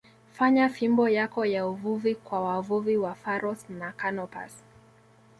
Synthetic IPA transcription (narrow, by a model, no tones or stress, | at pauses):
faɲafimbɔjakɔjauvuvikwawavuviwafaɾɔsnakanɔpa̰s